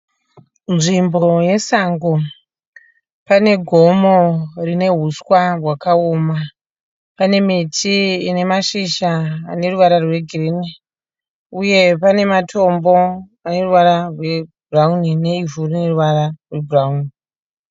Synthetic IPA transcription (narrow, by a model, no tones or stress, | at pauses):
nʐimbo̞je̞saŋɡo | pane̞ɡʱo̞mo̞rine̞ɦuswarwakaoːma | pane̞mitʰiːne̞maʃiʃa̰ːne̞ruʋaɾarwe̞ɡʱirini | uje̞pane̞matʰo̞mbo̞ | ane̞ruʋaɾarwe̞buraunine̞ivorine̞ruʋaɾarwe̞burauni